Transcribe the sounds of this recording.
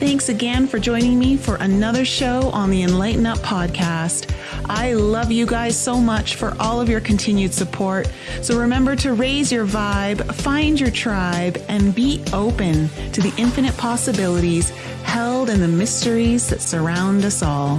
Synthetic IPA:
θæ̃ŋksɨɡɛ̃nfə˞d͡ʒɔ̃ɪ̃nɪ̃ŋmifə˞ʔɨnʌðə˞ʃoʊʔə̃nðiɨ̃nlaɪʔn̩ʌpʰɑd̚kʰæst | ʔaɪlʌvjɨɡaɪz̥soʊmʌt͡ʃfə̰˞ʔɔlˠʌvjə˞kʰɨ̃n̩tʰɪ̃njʉd̥sɨpʰɔɹt̚ | soʊɹɨmɛ̃mbə˞ɾɨɹeɪzjə˞vaɪb̥fãɪ̃nd͡ʒə˞tʰɹ̥aɪbʔɨ̃nbiɾoʊpɨ̃ntʰɨðiʔɪ̃ɱfɨñɨt̚pʰɑsɨbɪlˠəɾiz̥ | hɛlˠdɨ̃nðɨmɪstə˞izðɨtsə˞ãʊ̃ndʌsɔlˠ

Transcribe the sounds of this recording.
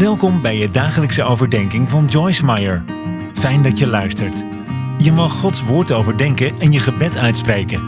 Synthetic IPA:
ʋɛlˠkɔmbɛjədaːχələksəʔowvəɹdɛŋkɪŋvɑnd͡ʒɔjsmajəɹ | fɛjndɑtjəlœɥstəɹt | jəmɑχːɔtsʋʊːɹtowvəɹdɛŋkəɛnjəχəbɛtœɥtsprejkən

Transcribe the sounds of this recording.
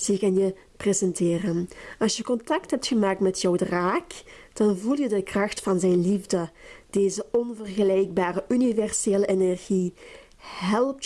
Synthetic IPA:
z̥ikənjə | prezɛntɪːrənɑlˠsjəkɔntɑk̚tɦɛp̚txəmaːk̚tmɛtʰjɔwdraːkd̥ɑnvulˠjədəkrɑxtfɑnzɛjnlivdəd̥eːzəɔnvərɣəlɛjɡ̚baːrəʔynivɛrseːləʔenɛrɣi | ɦɛlˠp̚t

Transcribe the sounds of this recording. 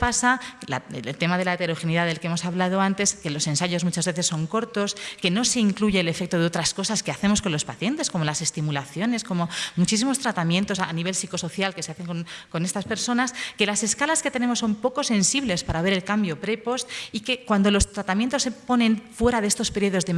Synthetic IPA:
pasala̰elt̪e̞maðe̞laet̪e̞ɾo̞xeniðaðe̞lkeemo̞saβlað̞oant̪e̞ske̞lo̞se̞nsaʝo̞zmut͡ʃazβe̞θe̞sːo̞ŋko̞ɾt̪o̞ske̞no̞se̞iŋkluʝe̞ːle̞fe̞k̚t̪o̞ð̞e̞o̞t̪ɾasko̞saske̞aθe̞mo̞sko̞nlo̞spaθje̞nt̪e̞sko̞mo̞lase̞st̪imulaθjo̞ne̞sko̞mo̞mut͡ʃis̬imo̞st̪ɾat̪amje̞nt̪o̞saniβe̞lsiko̞so̞θjalke̞se̞aθe̞ŋkonko̞nest̪aspe̞ɾso̞naske̞lase̞skalaske̞t̪e̞ne̞mosːo̞mpo̞ko̞se̞nsiβle̞spaɾaβe̞ɾe̞lkambjo̞pɾe̞po̞st̪ike̞kwand̪o̞lo̞st̪ɾat̪amjent̪o̞sːe̞po̞nẽ̞nfwe̞ɾaðe̞st̪o̞speɾioð̞o̞zðe

